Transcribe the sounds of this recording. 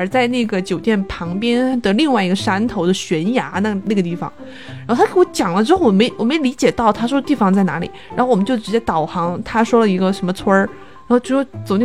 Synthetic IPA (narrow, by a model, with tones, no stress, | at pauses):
ə˞˨˧˩t͡sa˥˧ɪna˥˩ɡə˩t͡ɕjo˨˩ʊt̪jɛ˥˩npʰɑ˧˥ŋpjɛ˥nd̪ə˨li˥˧ŋwa˥˩ɪi˧˥ɡə˧ʂa˥nt̪ʰo˧˥ʊd̪ə˧ɕɥɛ˧˥nja˧˥na˥˩na˥˩ɡə˩t̪i˥˩fɑ̰˩ŋ | ɻa˧˥xt̪ʰwɔ˥t͡ɕjɑ˨˩ŋlə˦ʈ͡ʂɻ̩˥xo˥˩ʊwɔ˨˩me˧˥ɪwɔ˨˩me˧˥ɪli˧˥t͡ɕjɛ˨˩t̪ɑ˥˩ʊt̪ʰa˥ʂwɔ˥ə˧t̪i˥˩fɑ˨ŋt͡sa˥˩ɪna̰˧˥lḭ˨˩˦ɻa˧˥xwɔ˨˩m˧˦t͡ɕo˥˩ʊʈ͡ʂɻ̩˧˥t͡ɕjɛ˥t̪ɑ˨˩ʊxɑ˧˥ŋt̪ʰa˥ʂwɔ˥lə˨i˧˥ɡə˧ʂə˧˥nmə˧t͡sʰwə˥ | ɻa˧˥xo˥˧t͡ɕjʂwt͡so˨˩ʊne˥˩